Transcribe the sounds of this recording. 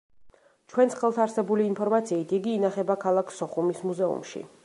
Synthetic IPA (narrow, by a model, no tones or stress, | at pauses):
t͡ʃʰwɛnsχɛlˠt̪ʰaɾsɛbuliːnpʰɔɾmat̪sʰiːt̪iɡiːnaχɛbakʰalˠakʰsɔχumismuzɛṵmʃḭ